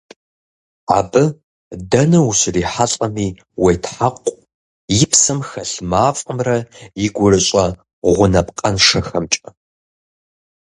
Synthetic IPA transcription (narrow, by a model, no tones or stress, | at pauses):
a̰ːbɨ | dɐnɨuɕriːħaɬʼɐmiː | wejtħaqʷʼ | jɪpsɐmxɐɬmaːfʼəmrɐjɪɡʷʊrɨɕʼɐ | ʁʷʊnɐpqʼɐnʂɐxɐmt͡ʃʼɐ